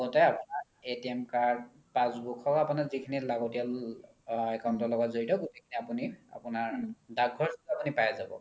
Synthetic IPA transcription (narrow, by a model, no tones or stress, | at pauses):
ɡɔtajapunaɹ | etiɛmkaɹd | pãsbukʰɔkapunazikʰinilaɡotijal | ɛkawntɔlɔɡɔtzoɹitɔɡutejkʰiniapunia̰punaɹdaɡʱɔɹsitapunipajazabɔ̰